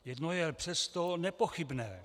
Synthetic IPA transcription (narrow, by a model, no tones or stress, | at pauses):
jɛdnojɛpr̝̥ɛst̪onɛpoxɪbnɛ̰ː